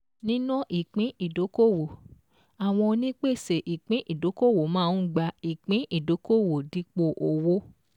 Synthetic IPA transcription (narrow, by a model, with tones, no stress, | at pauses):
nĩ˦nɔ̃˦ʔi˦˨k͡pĩ˨˦i˦˨do˨˦ko˦˨wo˨ | a˨w̃ɔ̃˧nĩ˦k͡pe˦˨se˨ʔi˨k͡pĩ˨˦ʔi˦˨do˨˦ko˦˨wo˨mãː˦˨˦ɡ͡ba˧i˨k͡pĩ˨˦i˦˨do˨˦ko˦˨wo˨di˧˦k͡po˧ʔo˨wo˨˦